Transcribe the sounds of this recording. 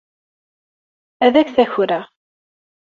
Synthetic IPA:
æðæçθæçɾæ

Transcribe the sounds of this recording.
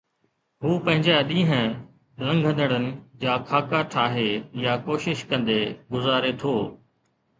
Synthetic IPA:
ɦuːpɐ̃ɦɪ̃ɲd͡ʑaɗĩːɦə̃ | lɐ̃ŋɡʱə̃nd̪əɽənɪ̆d͡ʑaːkʰaːkaʈʰaːɦejaːkoːʃɪʃkɐ̃nd̪eɡʊzaːɾet̪ʰoː

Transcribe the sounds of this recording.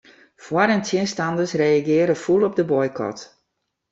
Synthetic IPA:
fwaɾəntʰjɪənstandəsrejaɡɪəɾəfulˠɔp̚dəbɔjkʰɔ̰t

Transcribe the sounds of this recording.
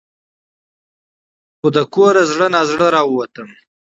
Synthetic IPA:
xod̪əkoɾazɽənazɽəɾɑwwat̪əm

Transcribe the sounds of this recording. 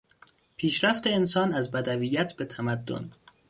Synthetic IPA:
pʰiːʃɾæft̪e̞ensɒːnæzbæd̪æviːjæt̪ʰbe̞t̪ʰæmæd̪ːo̞̰n

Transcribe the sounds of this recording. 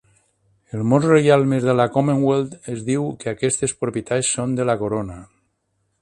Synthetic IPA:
elˠmozrejalˠmezðelakomeŋwelˠt̪ezðiwkeakɛst̪espɾopjit̪asːond̪elakoɾona

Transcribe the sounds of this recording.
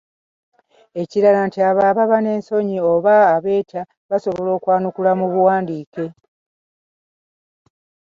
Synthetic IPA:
e̞ciɾalantiaβaβaβane̞ːnso̞ɲio̞βaːβe̞ːtʰa | βaso̞βo̞lo̞ːkwaːnukulamuβuwaːndiːke̞

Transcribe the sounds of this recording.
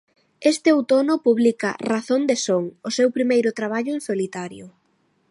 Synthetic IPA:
est̪ɪowt̪onʊpuβlikɐraθond̪esoŋʊsewpɾimejɾʊt̪ɾaβ̞aʎʊẽnsolit̪aɾjʊ

